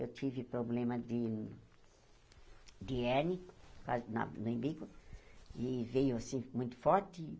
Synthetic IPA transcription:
ewt̪ivɪpɾoblẽmɐd̪ɪ | d̪ɪɛnikanɐ̰nʊĩbikʊ | ɪvejʊasĩmũj̃t̪ʊ̥fɔɾt̪ɪ

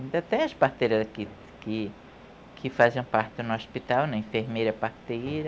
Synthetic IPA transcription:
ĩnd̪ɐt̪ẽj̃ɐspaht̪ejɾɐzaki | kɪ | kʰɪfazẽpaɾt̪ɪnʊospit̪awnɐĩfeɾmejɾɐpaht̪ejɾɐ

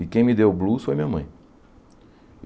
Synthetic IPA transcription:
ɪkẽj̃mid̪ewblusfojɐmĩɲɐmɐ̃j̃

